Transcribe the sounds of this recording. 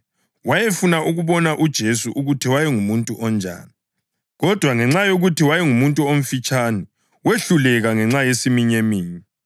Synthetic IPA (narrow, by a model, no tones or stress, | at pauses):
wajefunaʔuɣuβɔnaʔud̥ʒ̥ʱesuʔuɣutʰiwajɛŋumuntʼuʔɔnd͡ʒʱa̰ːni | ɣɔd̥ʱwaŋɛŋ͡ǁajoɣutʰiwajɛŋumuntʼuom̩fit͡ʃʼani | weɬulɛɣaŋɛŋ͡ǁajesimiɲemiːɲi